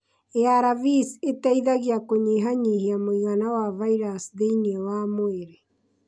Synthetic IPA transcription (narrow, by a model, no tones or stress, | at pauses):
eaɾavisetaiðaɣiakoɲeɦaɲiːhiamoiɣanawavaiɾasðeiniɛwamoeɾe